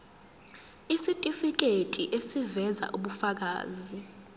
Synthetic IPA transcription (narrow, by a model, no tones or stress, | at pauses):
isitʼifik̬etʼiʔesivɛza̰ʔuɓufak̬a̰ːzi